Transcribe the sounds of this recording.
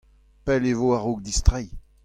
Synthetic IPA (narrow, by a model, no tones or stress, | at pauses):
pɛlevoaʁok̚d̪ist̪ʁɛj